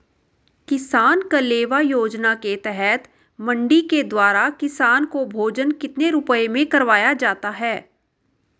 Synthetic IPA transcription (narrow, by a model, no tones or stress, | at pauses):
kɪsaːnkəleːʋajoːd͡ʒnaket̪ɛɦɛt̪ | mə̃ɳɖiked̪waːɾakɪsaːnkobʱoːd͡ʒənkɪt̪neɾʊpəemẽkɐɾʋaːjad͡ʒaːt̪aɦɛː